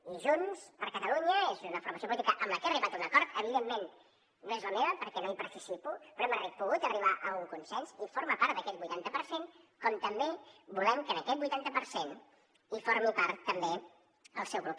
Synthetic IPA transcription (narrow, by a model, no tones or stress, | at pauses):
iʒunspəɾkət̪əluɲəezunəfuɾməsiop̬ulit̪ikəʔəmləkɛəriβat̪unəkɔɾt̪əβ̞iðemːen | nːoezləmeβəpəɾkɛnoipəɾt̪isipupɾoɛməripuɣut̪əriβ̞aʔəuŋkunsɛnsifoɾməpaɾt̪d̪əkɛt̪̚bujt̪ant̪əpəɾsen | kɔmt̪əmbebulɛmkənəkɛt̪̚bujt̪ant̪əpəɾsen | ifoɾmipaɾt̪ːəmbe | əlˠsɛwpɾup